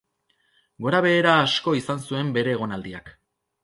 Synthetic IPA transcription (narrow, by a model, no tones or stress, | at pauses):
ɡo̞ɾaβe̞ːɾaːsko̞isansue̞mbe̞ɾe̞ːɣ̞o̞nald̪iak